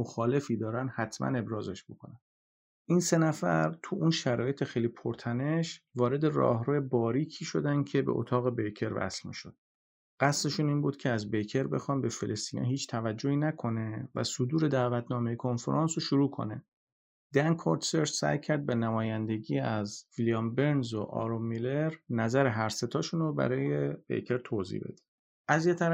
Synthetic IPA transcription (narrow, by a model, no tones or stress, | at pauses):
moxɒːle̞fiːd̪ɒːɾænhæt̪ʰmæ̰ne̞bɾɒːzeʃb̥okʰonæn | ʔiːnse̞næfæ̰ɾt̪ʰuʔuːnʃæɾɒːje̞t̪ʰexejliːpʰoɾt̪ʰæne̞ʃvɒːɾe̞d̪e̞rɒ̰ːhɾuːjebɒːɾiːcʰiːʃo̞d̪æncʰe̞bḛʔo̰t̪ʰɒːɣe̞bejcʰe̞ɾvæ̰slmḭːʃo̰d̪̥ | ɢ̥æsle̞ʃuːniːnbuːd̪̥cʰeæzbejcʰeɾbe̞xɒːnbe̞felest̪iːnɛ̰ɦiːt͡ʃʰt̪ʰævæd͡ʒːoiːnækʰo̞ne̞væ̰sod̪uːɾe̞d̪æːvæt̪ʰnɒːmejekʰo̞nfḛɾʔɑːnsoʃuɾuːkʰo̞̰ne | d̪̥æŋkʰoɾt̪seɾssæ̰jcʰæɾd̪̚benæmɒːjænd̪e̞ɟiːæzvilijɒmbe̞ɾnzo̰ʔɒ̰ɾommːileɾnæzæɾeɦæɾse̞t̪ʰɒːʃuːnobæ̰ɾɒːjebḛjcʰe̞ɾt̪ʰoːzḭbe̞̰d̪i̥ | ʔæzjet̪ʰæɾ